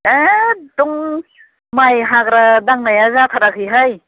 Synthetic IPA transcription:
eduŋ | majɦaɡɾadaŋnajazatʰaɾakʰɯjɦaj

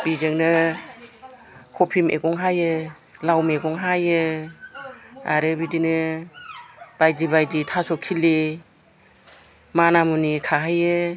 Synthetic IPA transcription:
b̥izɯŋnɯ | kʰɔpʰimʔḛɡɔŋɦajɯ | lawmeɡɔŋɦajɯ | a̰ɾɯbidinɯ | b̥ajdibajditʰasɔkʰːili | manamunikʰaɦajɯ

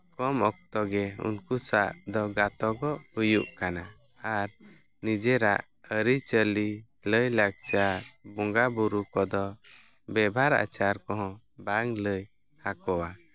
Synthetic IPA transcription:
kɔmɔk̚t̪ɔɡɛṵnkusaʔd̪ɔɡat̪ɔɡɔʔhujuʔkana | aɾ | nid͡ʒɛɾa̰ʔ | əɾit͡ʃəli | ləjlaɡ̚t͡ʃaɾbɔŋɡabuɾukɔd̪ɔ | bɛbʱaɾa̰t͡ʃaɾkɔɦɔ̃ | baŋləj | hakɔwa

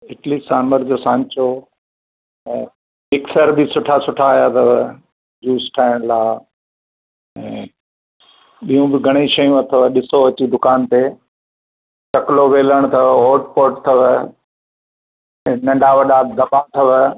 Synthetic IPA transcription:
ɪʈlisaːməɾd͡ʑoːsãːɲt͡ɕo | ɛ̃ː | mɪksəɾbɪsʊʈʰasʊʈʰaːjat̪ʰɐʋ | d͡ʑuːsʈʰaːɪɽ̃laː | ɛ̃ː | ɓijũbɪɡʱɐɽ̃iʃɐjũɐt̪ʰəʋəɗɪsoɐt͡ɕid̪ʊkaːnt̪e | t͡ɕɐkloʋeːləɽ̃t̪ʰɐʋɦoːɾʈpoːɾʈ̚t̪ʰɐʋ | ɛ̃nɐ̃ɳɖaːʋɐɗaːd̪ɐbãt̪ʰɐʋ

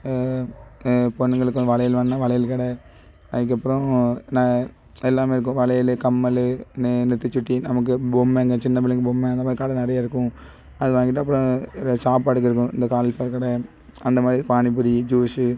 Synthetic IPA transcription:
pɔɳːŋɡɐɭɯkːɯ̃ʋɐlɐjɪlʋɐɳːãʋɐlɐjɪlkɪɽɐ | ɐðɪk̬ːɐpːɯɾõnãː | ɛlːaːmeːɪɾɯk̬ːʊ̃ʋɐlɐjɪlkɐmːɐlɯnnɪt̪ːɯt͡ʃːʊʈːinɐmɐk̬ːɯbɔmːeŋɡɐt͡ʃɪnːɐpɪlːɪkːɯbomːɛ̃ɐnd̪ɐmaːd̪ɾikaːɽɐnɐɾɐjaːɪɾɯkːʊ̃ | ɐðɯʋaːŋɡɪʈ̬ːɐp̬ːɯɾɔ̃saːpaːʈɯk̬ːɪɾɯkːʊ̃ɪnd̪ɐkaːlɐlfɐɾkɐɽɐ | ɐnd̪ɐmaːd̪ɾipaːɳɪp̬ːɯɽid͡ʒuːsɯ

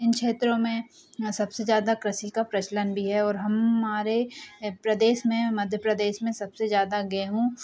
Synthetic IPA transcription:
ɪnkʃeːt̪ɾõmẽ | sɐbsezjaːd̪akɾɐsikapɾɐt͡ʃlənbʱiɦɛɔːɾɦɐmːaːɾepɾɐd̪eːʃmẽmɐd̪ʱjəpɾɐd̪eːʃmẽsɐbsezjaːd̪aɡɐeɦũː

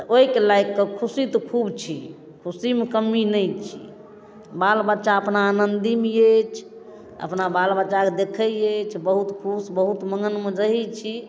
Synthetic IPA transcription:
oikelajkːəkʰusit̪ɔkʰubt͡ʃʰi | kʰusimekəmːinəjt͡ʃʰḭ | balbətːʃaəpnaːnənd̪imejet͡ʃʰ | ə̰pnabalbətːt͡ʃaked̪ekʰəet͡ʃʰbəɦut̪kʰusbəɦut̪məŋɡənmed͡ʒəɦit͡ʃʰi

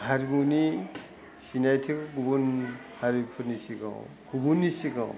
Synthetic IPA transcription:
haɾimuni | sinajtʰɯkkubun | haɾipʰɯɾnisiɡa̰wkubunːisiɡaw

